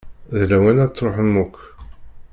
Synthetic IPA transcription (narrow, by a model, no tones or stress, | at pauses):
ðlæwænæt͡sːɾˤoħənmukː